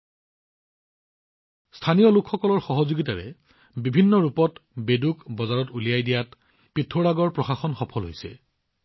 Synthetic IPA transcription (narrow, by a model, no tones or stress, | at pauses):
stʰanijɔlʊkʰxɔkɔlɔɹxɔɦɔzoɡitaɹɛ | bibʱinːɔɹupɔtbedukbɔzaɹɔtulijajdijat | pitʰːoɹaɡɔɹpɹɔxaxɔnxɔpʰɔlɦojsɛ̰